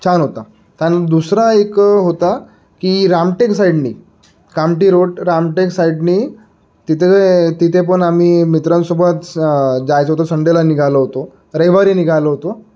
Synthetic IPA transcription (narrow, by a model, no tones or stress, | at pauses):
t͡ɕʰanɦot̪a | t̪janad̪usɾaekɦot̪a | kiːɾamʈeksaiɽnḭː | kamʈiːɾoɽɾamʈeksaiɽniː | t̪it̪ʰeet̪it̪ʰepəɳam̤iːmit̪ɾənsobʱət̪d͡zajt͡səɦot̪osəɳɖelaniɡʱaləɦot̪o | ɾəjʋaɾiːniɡʱaləɦot̪o